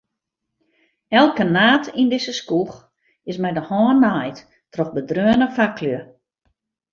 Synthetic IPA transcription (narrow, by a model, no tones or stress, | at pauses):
ɛlˠkənaːtʰindɪsəskux | ɪsmɛjdəhɔːnːajt | trɔxbədrøːənəfakʰlø